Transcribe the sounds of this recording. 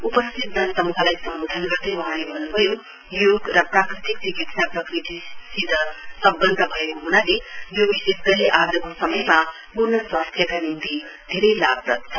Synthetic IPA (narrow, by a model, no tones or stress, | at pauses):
upɐst̪ʰit̪̚nɐt̪ɐmukʰalajsɐmbud̪ʱɐnɡɐt̪ewaɦãlebʱɐnubɐju | juɡɾʌpɾakɾit̪ik̚d̪ikitʰnapɾɐkɾit̪isid̪ɐsɐbːɐnd̪ʱɐbʱɐjkuɦunalijubisesd̪ɐliʔaɾd̪ɐkosɐmɐjmɐ | puɾnɐswast̪ʰjɐkanint̪i | d̪ʱeɾɐjlabɾɐ̰t̪